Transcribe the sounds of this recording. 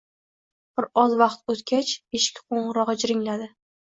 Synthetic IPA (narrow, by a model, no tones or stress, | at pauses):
b̥ɪɾɒzvɑqt̪ot̪kʲat͡ʃeʃkʲqʰoɴʁɨɾɒʁɨd͡ʒɾɪŋlad̪ɪ